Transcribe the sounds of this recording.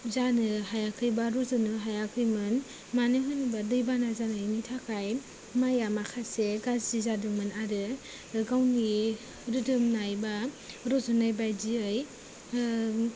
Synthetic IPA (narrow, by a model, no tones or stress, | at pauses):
zanɯɦajakʰɯjbaɾɔzɯnɯɦajakʰɯjmɯn | manɯɦɯnbadɯjbanazanɯjnitʰakʰaj | majamakʰaseɡazzizadɯŋmɯnaɾɯ | ɡawni | ɾɯdɯmnajba | ɾɔzɯnajbajdiɯj